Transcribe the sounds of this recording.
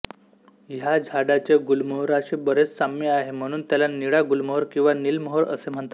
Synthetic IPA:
jad͡ʑʱaɽat͡ɕeɡulməɦɾaɕibəɾet͡ssameaɦem̤əɽ̃uːnt̪jalaniɽaɡulməɦoɾkĩw̃ʋanilməɦoɾə̰sem̤əɳt̪

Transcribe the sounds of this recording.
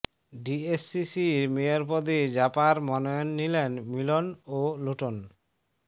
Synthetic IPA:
ɖiesːisiɾmejoɾpɔd̪ed͡ʑapaɾmɔnɔjonːilenmilonoloʈon

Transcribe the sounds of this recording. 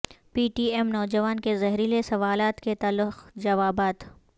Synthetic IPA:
piːʈiːɛmnɔːd͡ʒɐʋaːnkezɐɦɾilesɐʋaːlaːt̪ket̪aːlːʊxd͡ʒɐʋaːbaːt̪

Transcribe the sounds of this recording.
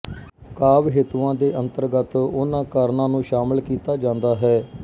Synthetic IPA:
kaːbɦeːt̪uãːd̪eːʔənt̪əɾɡət̪ʊnãːkəɾnãːnũːʃaːməlkiːt̪aːd͡ʒãːnd̪aːɦɛː

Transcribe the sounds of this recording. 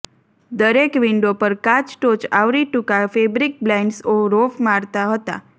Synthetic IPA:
d̪əɾekʋiɳɖopəɾkat͡ʃʈot͡ʃaʋɾiʈukafebɾik̚blɛɳɖsoɾofmaɾt̪aɦət̪a̰

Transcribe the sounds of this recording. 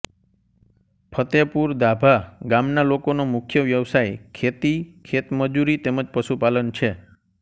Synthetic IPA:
pʰət̪epuɾd̪abʱaɡamnalokonomukʰjəʋjəʋsajkʰet̪ikʰet̪məd͡ʒuɾit̪eməd͡ʒpəʃupalənt͡ʃʰe

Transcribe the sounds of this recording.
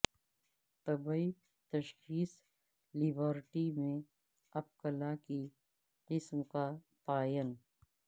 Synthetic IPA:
t̪ɐbəi | t̪ɐʃxiːs | lɪbəɾʈimẽ | ɐp̚kəlaki | qɪsmka | paːjən

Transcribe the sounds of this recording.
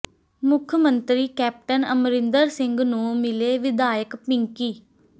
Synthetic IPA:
mʊkʰmənt̪ɾiːkɛːp̚ʈənəmɾɪ̃nd̪əɾsɪ̃ŋɡnũːmɪleːʋɪd̪aːjəkpɪŋkiː

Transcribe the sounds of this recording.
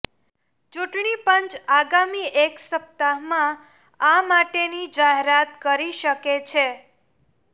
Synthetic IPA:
t͡ʃuʈɳipənt͡ʃaɡamiʔeksəp̚t̪amã | amaʈenid͡ʒaɦeɾat̪kəɾiʃəket͡ʃʰe

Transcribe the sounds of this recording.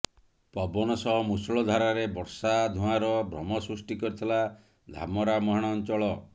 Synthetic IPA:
pɔbɔñɔsɔɦɔmusɔɭɔd̪ʱaɾaɾebɔɾsad̪ʱuaɾɔbʱɾɔmɔsɾusʈikɔɾit̪ʰila | d̪ʱa̰mɔɾamɔɦaɽ̃ɔnt͡ʃɔɭɔ

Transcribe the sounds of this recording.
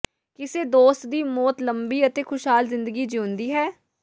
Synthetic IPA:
kɪseːd̪oːst̪̚d̪iːmɔːt̪ləmbiːət̪eːkʰʊʃɦaːlzɪ̃nd̪əɡiːd͡ʒiʊ̃nd̪iːɦɛː

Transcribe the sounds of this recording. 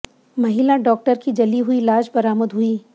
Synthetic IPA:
mɐɦɪlaɖɔːk̚ʈəɾkid͡ʒɐliɦʊilaːd͡ʒbɐɾaːməd̪ɦʊiː

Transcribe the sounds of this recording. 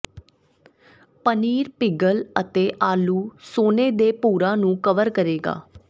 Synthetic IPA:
pəniːɾpɪɡələt̪eːʔaːluːsoːneːd̪eːpuːɾãːnũːkəʋəɾkəɾeːɡa̰ː

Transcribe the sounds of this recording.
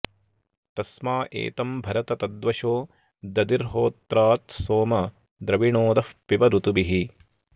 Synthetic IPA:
t̪ɐsmaːʔḛːt̪ɐmbʱɐɾɐt̪ɐt̪ɐd̪ʋɐʃoː | d̪ɐd̪iɾɦoːt̪ɾaːt̪soːmɐ | d̪ɾɐʋiɳoːd̪ɐfpibɐɾut̪ubiɦi

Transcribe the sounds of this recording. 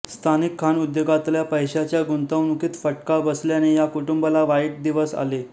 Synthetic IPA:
st̪ʰanikʰːanud̪joɡat̪ljapəjɕat͡ɕjaɡunt̪əwnukiːt̪fəʈkabəsljanejakuʈumbəlaʋajʈ̚d̪iʋəsa̰le

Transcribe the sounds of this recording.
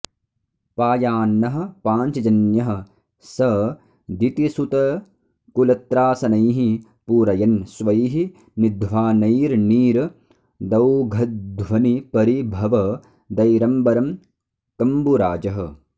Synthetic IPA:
paːjaːnːɐɦɐ̆paːɲt͡ʃɐd͡ʒɐnjɐɦɐ̆ | sɐ | d̪it̪isut̪ɐ | kulɐt̪ɾaːsɐnɐjɦi | puːɾɐjɐnsʋɐjɦi | nid̪ʋaːnɐjɾniːɾ | d̪ɐwɡʱɐd̪ʋɐnipɐɾibʱɐʋɐ | d̪ɐjɾɐmbɐɾɐm | kɐmbuɾaːd͡ʒɐɦɐ̆

